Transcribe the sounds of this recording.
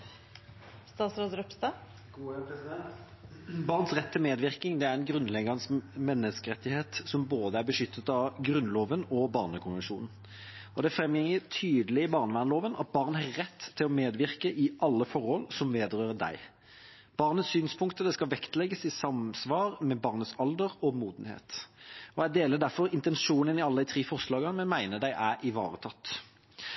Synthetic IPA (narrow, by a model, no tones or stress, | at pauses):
st̪ɑːt̪sɾoːd̪ɾɔpst̪ɑ̥ː | sd̪ɛnt̪ | bɑːʁnsʁɛt̪ʰːɪlmeːd̪ʋɪʁkɪŋd̪ɛæɾɛnɡɾʉnlɛɡəʁnsmɛnːəskəʁɛt̪ːɪheːt̪sɔmboːd̪əæɾbəʂʏt̪ʰːət̪ɑɡɾʉnːloːʋənɔbɑːʁnəkʰʊnʋənʂṵːnn̩ | ɔd̪ɛæfɾɛmjɛŋət̪ʰyːd̪əlɪbɑːʁnəʋæʁnloːʋənɑ̰t̪̚bɑːʁnəhɑʁɛt̪ʰːɪlɔmeːd̪ʋɪʁkəʔɪʔɑlːəfɔʁhɔlsɔmʋeːd̪əʁøːɾəd̪æ̰ɪ | b̥ɑːʁnət̪ssyːnspʰʊŋkt̪əd̪ɛskɑʋɛkt̪lɛɡːəsɪsɑmsʋɑːʁmɛbɑːʁnət̪sɑld̪əʁɔmuːd̪n̩hḛːt̪ɔæd̪eːləd̪æɾfɔɾɪnt̪ɛnʂuːnənɪɑlːəd̪æɪt̪ʰʁiːfɔʁʂlɑːɡəmɛnmæɪnəd̪æɪʔæɾɪʋɑ̰ːʁət̪ʰɑt̪ː